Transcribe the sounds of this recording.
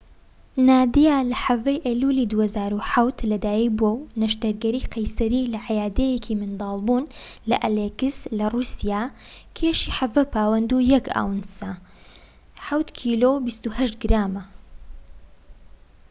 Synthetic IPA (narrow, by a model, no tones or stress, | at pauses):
naːd̪ijaːlɐħɐvɐjʔelulid̪uːhɐzaːɾuħawt̪lɐd̪aːjibuownɐʃt̪ɐɾɡɐɾiːqɐjsɐɾilɐʕajaːd̪ejɛkʰimɨnd̪ɑːlˠbuːnlɐʔɐleɡɨslɐruːsijaːkʰeːʃiːħavɐpʰaːwɐnd̪ujɐka̰ːwnsɐ | ħawt̪kʰiːlobist̪uhɐʃt̪̚ɡɾaːmɐ